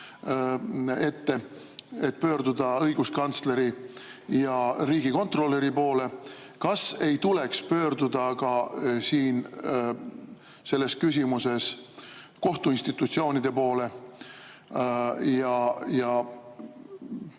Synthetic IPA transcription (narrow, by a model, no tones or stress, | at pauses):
e̞t̪ːe̞ | et̪̚ːpø̞ːɾd̪ud̪ɑɤ̞jɡ̥uskɑnt̪sle̞ɾijɑɾiːɡ̥iko̞nt̪ro̞lːe̞ɾipo̞ːle̞ | kɑse̞jt̪ule̞kspø̞ːɾd̪ud̪̥ɑkɑsiːn | se̞lːe̞skys̬ʲimuse̞s | ko̞ht̪uinst̪it̪ːˑut̪sio̞ːnid̪̥e̞po̞ːle̞ | jɑjɑ